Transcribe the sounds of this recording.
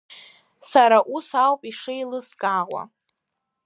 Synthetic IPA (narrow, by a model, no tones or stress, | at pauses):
saɾaʔusawpʼiʂɨjlɨskʼaʁʷa̰